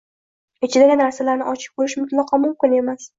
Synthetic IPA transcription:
ɪt͡ʃʰɪd̪aɡʲɪnaɾsalaɾnɪʔɒt͡ʃʰɪ̥p̚kɵɾɪʃmʊt̪lɑqʰɒmʊmkʲɪne̞mas

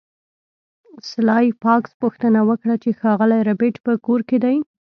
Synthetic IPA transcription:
slɑjpɑkspuxt̪ənawəkɽat͡ʃexɑɣəlajɾabeʈpəkoɾked̪aj

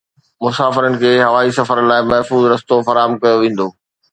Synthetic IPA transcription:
mʊsaːfɪɾənɪ̆kʰeːɦɐʋaːisɐfəɾlaːɪmɐɦfuːzɾɐst̪ofɐɾaːɦəmkɐjoʋẽːn̆d̪oː

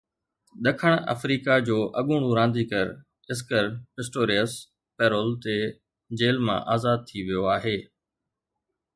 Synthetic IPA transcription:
ɗ̪əkʰəɽ̃ə̰fɾiːkad͡ʑoːʔɐɠuːɽ̃ũɾãːn̆d̪iːkəɾ | ɪs̬kəɾpɪsʈoːɾiəs | peːɾoːlt̪e | d͡ʑeːlmã̰ʔaːzaːd̪̚t̪ʰiʋɪjoaːɦeː

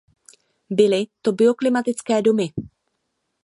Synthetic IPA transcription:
bɪlɪt̪o̞bɪo̞klɪmat̪ɪt͡skɛːdo̞mɪ

